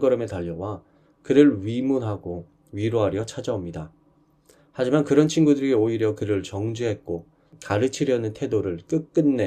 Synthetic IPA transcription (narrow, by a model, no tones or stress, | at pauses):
ɡʌɾʌme̞taʎːʌwa | kɯɾɯɭɥimunɦaɡo | ɥiɾoɦaɾjʌt͡ɕʰad͡ʑaomɲida | had͡ʑimankɯɾʌnt͡ɕʰinɡudɯɾɾiioiɾjʌkɯɾɯɭt͡ɕʌŋd͡ʑuɦe̞t̚k͈o | kaɾɯt͡ɕʰiɾjʌnɯntʰe̞doɾɯɭk͈ɯk̚k͈ɯnːe̞